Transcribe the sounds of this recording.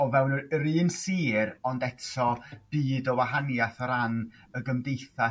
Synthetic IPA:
ɔvɛwnəɾiːnsiːɾɔndɛtʰɔb̥iːdɔwaɦanjaθɔɾan | əɡəmdejθa

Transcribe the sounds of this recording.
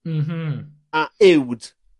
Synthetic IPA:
m̩ɦm̩ | aewd

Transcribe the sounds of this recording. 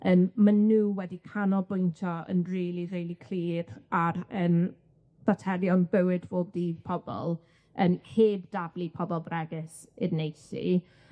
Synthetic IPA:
əːmmanuːwɛdikʰanɔbʊjntʰɔə̰nriːlˠirejlˠikʰl̥iːraɾəːm | v̥atʰɛɾjɔnbəwɪdvoːdipʰɔbɔ̰lˠ | ənheːbd̥ablˠipʰɔbɔlˠrɛɡɪs | ɪdnejsḭ

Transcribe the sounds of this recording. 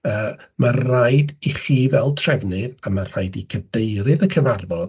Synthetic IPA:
əːmḁajdiχiːvɛlˠtʰrɛvnɨðamar̥ajdikʰədejɾɨðəkʰəvarvɔd̥

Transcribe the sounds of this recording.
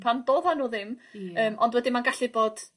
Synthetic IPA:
pʰanb̥oːðhanuːðɪməːmɔndwɛdɪmanɡaɬɨboːd̥

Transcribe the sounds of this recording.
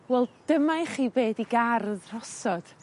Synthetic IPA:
wɛlˠd̥əmajχiːbeːdiɡarðr̥ɔsɔd̥

